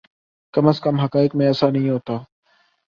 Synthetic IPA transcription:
kɐməskəmɦɐkaːɪkmẽɐsãnəɦĩɦoːt̪aː

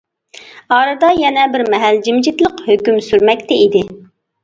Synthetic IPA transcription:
ɑːɾɨd̪ɑjɛnɛbɪɾmɛɦæld͡ʒimd͡ʒit̪lˠəqhøkʲymsyɾmɛk̚ʲt̪ɛid̪ɪ

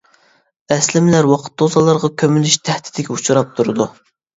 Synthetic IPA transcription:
ɛslɪmlæɾwɑqʰə̥t̪̚d̪ozɑlˠːɑɾʁɑkʲʰømylyʃt̪ʰɛht̪ʰɪ̥d̪ɪkʲiut͡ʃʰuɾɑp̚t̪ʰuɾɨd̪u

